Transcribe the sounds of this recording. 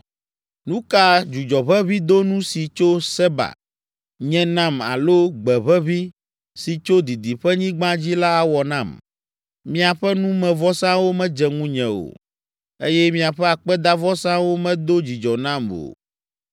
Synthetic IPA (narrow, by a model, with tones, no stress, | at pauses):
nũ˦ka˦d͡ʒu˨d͡ʒɔ˨βɛ˦βi˦d̪o˦nũ˦si˨t͡ʃo˦sɛ˦ba̰˨ | ɲɛ̃˨nã˦ma̰˨lo˦ɡ͡bɛ˨βɛ˦βi˦ | si˨t͡ʃo˦d̪i˨d̪i˨ɸɛ˦ɲĩ˦ɡ͡bã˦d͡ʑi˦la˦a˨wɔ˨nã˦˨m | mĩ˦a˨ɸɛ˦nũ˦mɛ̃˨vɔ˦sã˦wo˦mɛ̃˦d͡ʒɛ˨ŋũ˦ɲɛ̃˨o̰˨ | e˦jɛ˦mĩ˦a˨ɸɛ˦a˨k͡pɛ˦d̪a˦vɔ˦sã˦wo˦mɛ̃˦d̪o˦d͡ʑi˨d͡ʒɔ˨nã˦˨mo̰˨